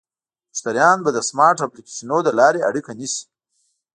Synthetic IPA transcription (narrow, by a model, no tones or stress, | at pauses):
ʊ̥st̪aɾjɑnbad̪əsmɑɾʈaplikeʃinod̪əlɑɾea̰ɽikanisi̥